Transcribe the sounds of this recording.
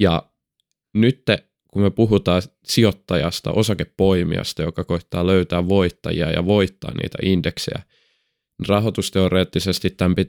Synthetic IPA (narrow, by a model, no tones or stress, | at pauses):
jɑ | nyt̪ːe | kumøpuɦut̪ɑː | siot̪ːɑjɑst̪ɑ̰ʔosɑkeppoimḭɑ̰st̪ɑjokɑkoit̪ːɑːløyt̪æːʋʋoit̪ːɑ̰jḭɑ̰jɑ̰ʋo̞it̪ːɑ̰ːnnḭːt̪æ̰ʔindeksḛjæ̰ | nirɑɦot̪ust̪eoreːt̪ːisest̪it̪t̪æmpi